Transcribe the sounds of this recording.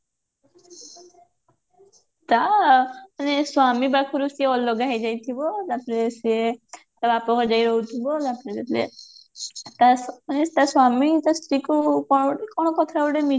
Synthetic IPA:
t̪a | aneswamibakʰuɾusieɔlɔɡaɦejd͡ʒajt̪ʰibɔd̪apɔɾesie | t̪abapɔkɔd͡ʒajɾɔɦut̪ʰibɔd͡ʒapɔɾed͡ʒaplḛ | t̪anet̪aswamit̪ast̪ɾikukɔkɔɽ̃ɔkɔt̪ʰaewɽemi

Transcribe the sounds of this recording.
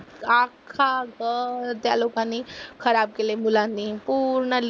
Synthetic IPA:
akʰaɡʱəɾt̪ja̰lukãnikʰəɾaːb̚kelemulanipuɾɳəl

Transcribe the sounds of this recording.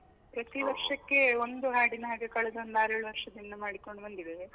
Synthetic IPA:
pɾɐt̪iʋɐɾʂɐkːe̞ond̪uɦaːɖinɐɦaːɡe̞kɐɭɛd̪ɐond̪aːɾeːɭuʋɐɾʂɐd̪inːɐmaːɽiko̞ɳɖubɐnd̪id̪e

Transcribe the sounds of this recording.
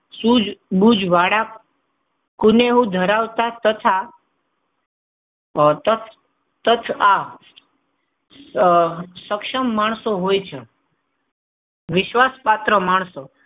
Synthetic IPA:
sud͡ʒbud͡ʒʋaɽa | kʊneɦũd̪ʱəɾaʋt̪at̪ət̪ʰa | t̪ət̪ʰ | t̪ət̪ʰa | səkʃəmːaɳ̃soɦojt͡ʃʰe | ʋɪʃʋaspat̪ɾəmaɳso

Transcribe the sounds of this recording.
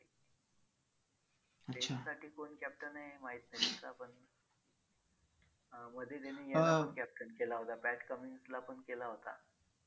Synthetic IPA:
ət̪easaʈʰiːkonkɛp̚ʈənajmaɦiːt̪nat̪it͡sa̰pəɳ | məd̪ʱːjet̪̬enejaaəɳkæp̚ʈənkelaɦot̪apæʈkəmiŋɡslapəɳkelaɦot̪a̰

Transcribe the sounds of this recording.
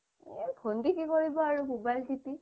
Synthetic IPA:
bʰʱondikikoɹibɔaɹumobajlsiti

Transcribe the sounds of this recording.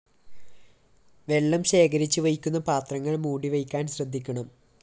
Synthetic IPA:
ʋe̞ɭːɐmɕe̞ːkɐɾit͡ɕːɨʋɐjikʲːun̪ːɐpaːt̪rɐŋːɐɭmuːɽiʋɐjkʲːaːnɕrɐd̪ʱːikʲːɐɳɐm

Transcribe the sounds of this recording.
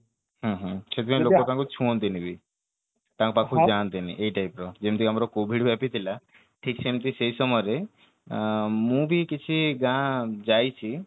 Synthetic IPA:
ɦãːɦə̃t͡ʃʰet̪ʰimẽlokot̪ãkut͡ʃʰũont̪inibʱi | t̪ãkpakʰud͡ʒant̪iniʔeʈajpɾɔd͡ʒemt̪iamɾokobʱiɽbʱɛpit̪ʰila | ʈʰik̚t͡ʃʰemt̪iseisɔmɔɾe | mũːbʱikit͡ʃʰiɡãd͡ʒajt͡ɕʰi

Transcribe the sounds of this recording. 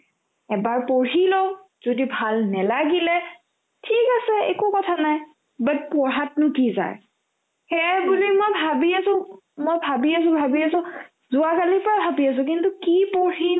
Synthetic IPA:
ɛbaɹpoɹilo | z̥odibʱalnɛlaɡilɛ | tʰikasɛḛkukɔtʰanaj | bat̚pɔɹɦatnʊkiza̰j | xɛbulimojbʱabiasʊ̃ | mojbʱabias̬ʊ̃bʱabiasʊ̃ | zʊakalipɔɹabʱabias̬ʊ̃kintukipoɹi

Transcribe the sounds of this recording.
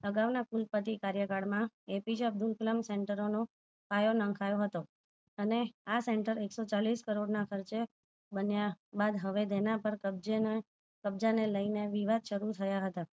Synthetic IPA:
əɡaʋnakulpət̪ikaɾjəkaɽmãepid͡ʒəb̚d̪ulkləmseɳʈəɾono | fajonəŋkʰajoɦət̪o | əneaseɳʈəɾeksot͡ʃaliskəɾoɖnakʰəɾt͡ʃe | bənjabad̪ɦəʋed̪enapəɾkəbd͡ʒen | kəbd͡ʒaneləineʋiʋad̪ʃəɾut̪ʰəjaɦət̪a

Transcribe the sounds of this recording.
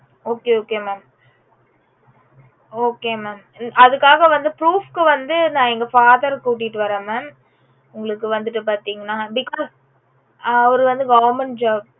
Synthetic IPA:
oːkeoːkeːmeːm | oːkeːmeːm | ʔɐðɯkːaːɣɐʋɐnd̪ɯpɾuːfkɯʋɐnd̪ɯnãːɛŋɡɐfaːðɐɾkuːʈ̬ːiʈːɯʋɐɾɐːmɛm | ʊŋɡɐɭɯkːɯʋɐnd̪ɯʈːɯpaːɾt̪iːŋɡɐnːaːbɪkːɔːz | ɐʋɐɾɯʋɐnd̪ɯɡɐːʋɐɾmɛnd͡ʒaːb̚

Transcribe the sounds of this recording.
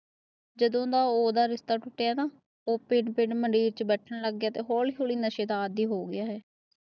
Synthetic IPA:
d͡ʒəd̪õːd̪aːoːd̪aːɾɪst̪aːʈʊʈːejaːnaː | oːpɪɳpɪɳməɳɖiːɾt͡ʃəbɛːʈʰənːləɡːjaːt̪eːɦoːliɦoːliːnəʃeːd̪aːəd̪iːɦoːɡɪjaːɦɛː

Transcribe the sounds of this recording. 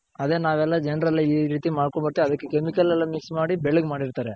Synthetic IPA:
ɐðeːnaːʋɛlːad͡ʒɛnɾɐlːaiɾiːt̪imaːɽkombɐɽt̪ːiɐd̪ɐkːekemikɐlɛlːɐmiksmaːɽibɛɭɐɡmaːɽiɾt̪aːɾe

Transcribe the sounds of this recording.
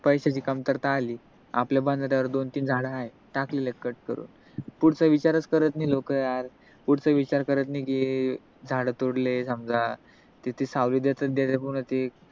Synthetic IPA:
pəjɕat͡ɕiːkamt̪əɾt̪aːliː | a̰pljabãnd̪ʱaɾjaʋəɾd̪ont̪iːnd͡zʱaɽəae | ʈaklelekːəʈ̚kəɾṵːn | puɽt͡səʋit͡ɕaɾət͡skəɾət̪niːlokəjaɾ | puɽt͡səʋit͡ɕaɾkəɾət̪niki | d͡zʱaɽət̪oɽlesəmd͡za | t̪it̪ʰesaʋliːd̪jet̪əd̪jat̪epuɽ̃ət̪i

